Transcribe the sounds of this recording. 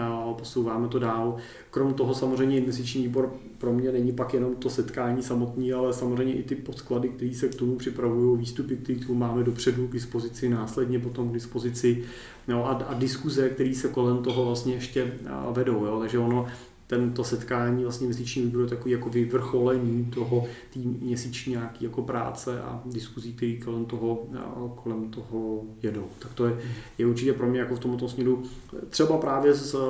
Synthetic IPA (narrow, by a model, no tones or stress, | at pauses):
po̞sowvaːmɛt̪o̞daːl | kɾo̞mt̪o̞ɦo̞samorɛjɲɛɪnvɛst̪ɪt͡ʃɲiːviːbo̞ɾ | pɾo̞mɲɛnɛɲɪpakjɛno̞mt̪o̞sɛt̪kaːɲiːsamot̪niːalɛsamozr̝ɛjɲɛʔɪt̪ɪpo̞t̪kladɪk̚t̪ɛɾiːsɛkt̪o̞mupr̝̥ɪpɾavujo̞wviːst̪upɪk̚t̪ɛɾiːt̪umaːmɛdopr̝̥ɛduɡdɪspo̞zɪt͡sɪnaːslɛdɲɛp̬o̞t̪omɡdɪspo̞zɪt͡sɪ | joʔaadɪskuzɛkt̪ɛɾiːsɛko̞lɛmt̪o̞ɦovlast̪ɲɛɛʃcɛvɛdo̞wjotaɡʒɛono | t̪ɛnt̪o̞sɛt̪kaːɲiːvlast̪ɲɛmɲɛsit͡ʃɲiːvibɾojɛt̪akoviːjakovɪvr̩xo̞lɛɲiːt̪oɦot̪iːmɲɛsit͡ʃɲiːɲaːkiːjako̞pɾa̰ːt͡sɛʔa̰dɪskuziːk̚t̪ɛɾiːko̞lɛmt̪oɦokolɛmt̪oɦojɛdo̞wt̪akt̪ojɛjɛuɾt͡ʃɪcɛpɾo̞mɲɛjakoft̪omlɛt̪̬omsmɲɛɾut̪r̝̥ɛbapɾaːvjɛs